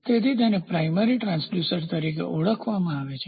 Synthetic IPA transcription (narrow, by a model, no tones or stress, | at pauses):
t̪et̪ʰit̪̬enepɾajməɾiʈɾãnsljusəɾt̪əɾikḛʔuɭəkʰʋamãaʋet͡ʃʰe̥